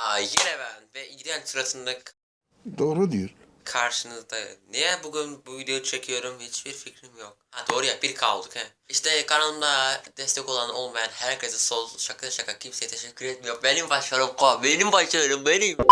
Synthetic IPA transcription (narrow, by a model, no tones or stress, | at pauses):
ajeɾevænvɛiɟid̪ɛnsɯɾat̪ɯnlˠɯk | d̪oːɾud̪ijulʲ | kʰaɾʃɯnɯzd̪anejɛbuɡʲynbuvid̪ejoʃʰɛcʰijo̞ɾumhit͡ʃbiɾficʰɾimjok̚had̪o̞ːɾujabiɾkʰalˠd̪ukɛ | iʃt̪ʰɛkʰanalˠɯmd̪ad̪ɛst̪ɛko̞lˠano̞lˠmajanhæɾkʰʲezisolˠʃakʰːɯd̪aʃakacʲʰimsejɛt̪ʰeʃɛcʰʲːyɾɛt̪̚mijoɾbenimbaʃˠaɾumkobenimbaʃlˠɯjoɾumbenim